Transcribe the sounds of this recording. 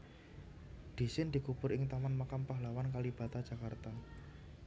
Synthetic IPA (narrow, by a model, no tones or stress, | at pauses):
d̪̥i̤sɪnd̪̥i̤kub̥ʊɾɪŋt̪amanmakampaɦlawankalib̥ä̤t̪ad̥ʒ̥a̤kart̪a